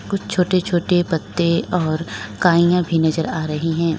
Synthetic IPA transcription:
kʊt͡ʃʰt͡ʃʰoːʈet͡ʃʰoːʈepɐt̪ːeɔːɾkaːijãbʱinɐzəɾaːɾɐɦiɦɛ̃ː

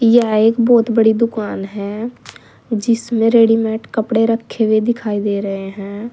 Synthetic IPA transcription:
jɛːɪkbɔːt̪bəɽiːd̪ʊkaːnɦɛː | d͡ʒɪsmẽːɾeːɽiːmɛːʈkəpɽeɾəkʰːeʋed̪ɪkʰaːiːd̪eːɾəɦeɦɛ̃ː

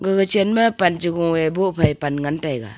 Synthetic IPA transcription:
ɡɯɡɯt͡ʃenmapand͡ʒiɡɔŋebɔpʰajpanŋantajɡa̰

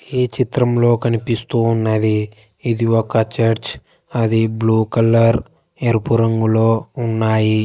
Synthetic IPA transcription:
eːt͡ʃit̪ɾɐmlo̞ːkɐnipist̪uːnːɐd̪iː | d̪iɔkːɐt͡ʃɐɾt͡ʃ | ɐd̪ibluːkɐlːɐɾ | eɾupuɾɐŋɡuloːunːaːji

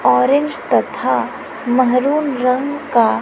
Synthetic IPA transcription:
ɔːɾẽnd͡ʒt̪ɐt̪ʰa | mɐɦɾuːnɾɐ̃ŋɡka

